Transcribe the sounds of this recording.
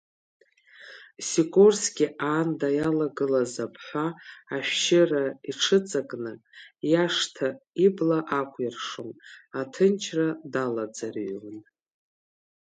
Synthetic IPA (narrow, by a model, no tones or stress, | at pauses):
sikʷʼorsɡʲiaːndajalaɡɨlazapʰħʷaːʃᶣʃɪraiʈ͡ʂʰɨt͡sʼakʼnɨ | jaʂtʰaiblaʔakʷʰʼjɪrʂomatʰɨnt͡ʃʰradalad͡zarɥmɨn